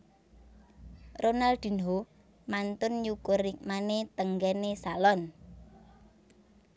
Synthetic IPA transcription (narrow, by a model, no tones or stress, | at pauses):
ronald̪̥i̤nɦo | mant̪ʊnjukʊrik̚manet̪əŋɡɛnesalɔn